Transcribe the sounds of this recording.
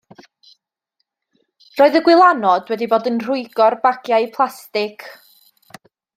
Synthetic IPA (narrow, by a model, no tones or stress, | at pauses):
roːɨðəɡwɪlˠanɔd̥wɛdiboːdənr̥ʊɨɡɔrbaɡjajpʰlˠastɪkʰ